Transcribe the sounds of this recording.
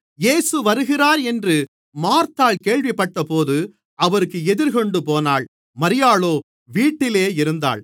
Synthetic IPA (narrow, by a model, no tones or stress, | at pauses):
jeːsɯʋɐɾɯɣɪraːɾɛndrɯ | maːɾt̪aːɭkeːɭʋɪpːɐʈːɐpoːðɯ | ɐʋɐɾɯkːɯɛðɪɾkɔɳɖɯpoːnaːɭ | mɐɾɪjaːɭoː | ʋiːʈːɪleːɪɾɯnd̪a̰ːɭ